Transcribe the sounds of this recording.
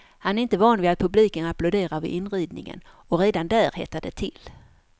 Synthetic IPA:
hanæɾɪnt̪əvɑːnvɪat̪̚pʰɵbliːkənaplʊd̪eːɾaɾvɪ̰ʔɪnɾiːd̪nɪ̰ŋə̰n | ɔɾeːd̪and̪æːɾhɛ̰t̪ːad̪ət̪ʰɪl

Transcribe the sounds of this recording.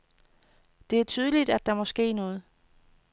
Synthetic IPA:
d̥e̝æɐt͡sʰyːð̞ˠəlid̥æd̥ɑ̈mɒ̽sɡ̥e̝̰ːnɔ̽ːð̞̩ˠ

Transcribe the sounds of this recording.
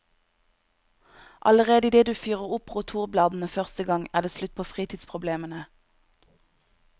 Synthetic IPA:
ʔɑ̰ləʁeːd̪əd̪eːd̪ʉːfyːʁəʁʊpʁuːt̪ʰuːʁblɑːd̪n̩əfœʁst̪əɡɑŋæːʁd̪eːslʉt̪̚pʰoːfʁiːt̪ʰɪːd̪spʰʁʊbleːmənə

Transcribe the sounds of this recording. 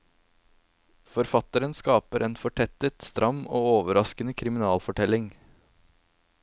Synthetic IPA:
fɔɾfɑt̪əɾənskɑːpəɾʔeːnfɔʈʰɛt̪ət̪st̪ɾʔɑmoːoːʋəɾɑskənəkʰɾɪmɪnɑːlfɔʈʰɛlɪŋ

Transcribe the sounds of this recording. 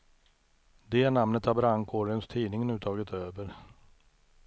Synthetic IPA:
d̪ɛnamnət̪abɾaŋkʰoːɾɪənst̪ʰiːnɪŋənʉ̟ːt̪ʰɑːɡɪt̪øːvəɾ

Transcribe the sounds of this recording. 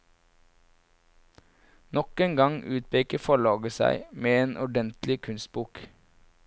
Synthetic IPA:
nɔkeːŋɡɑŋʔʉːt̪̚pʰeːkəfɔɭɑːɡəsæ̰ɪmeːeːnʔɔɖɛnt̪lɪkʰʉnst̪̚buːk

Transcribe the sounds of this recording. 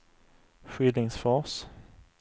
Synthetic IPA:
ɧiːd̪ɪŋsfɔs

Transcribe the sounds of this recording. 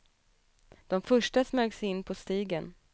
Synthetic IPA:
d̪̥ɔmfœʂʈasmøːɡsɛjɪnːpʰɔst̪iːɡən

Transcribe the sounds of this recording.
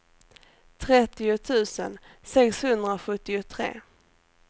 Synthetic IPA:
t̪ʰɾɛt̪ːɪʊt̪ʰʉ̟ːsə̰n | sɛkshɵnd̪ɾaoɧɵt̪ːɪʊt̪ʰɾḛː

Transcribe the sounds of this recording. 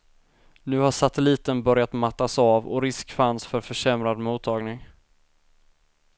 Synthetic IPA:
nʉ̟ːhaʂat̪ɛliːt̪ənbœɾjat̪mat̪ːasaːvɔ̰ɾɪskfansfœɾfœʂɛmɾad̪muːt̪ʰːɑːɡnɪŋ

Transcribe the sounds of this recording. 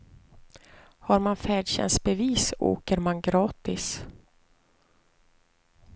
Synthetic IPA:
haɾmanfæːɖɕɛ̰nsbɛviːso̰ːkəɾmanɡɾɑːt̪ɪs

